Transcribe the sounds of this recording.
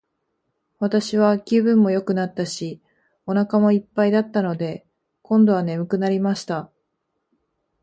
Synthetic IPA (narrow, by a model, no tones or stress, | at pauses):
βat̪aɕiβ̞akʲibɯ̟̃mːo̞jo̞kɯ̟nat̪ːaɕi | o̞nakamo̞ipːaid̪at̪ːano̞d̪e̞ | kõ̞nd̪o̞β̞ane̞mɯ̟kɯ̟naɾʲimaɕi̥t̪a